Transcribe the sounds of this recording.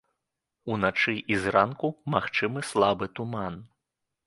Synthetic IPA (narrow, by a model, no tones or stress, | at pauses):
unat͡ʂɨʔizrankumaxt͡ʂɨmɨslˠabɨt̪uman